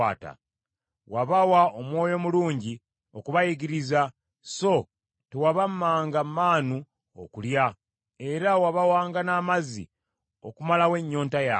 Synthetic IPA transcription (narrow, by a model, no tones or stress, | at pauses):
aːta̰ | waβawaomwo̞ːjo̞muluːɲɟi | o̞kuβajiɡiɾiza | so̞ | tewaβamːaːŋɡamːaːnu | o̰kulja | e̞ɾawaβawaːŋɡanaːmazḭ | okumalawe̞ɲːoːntaja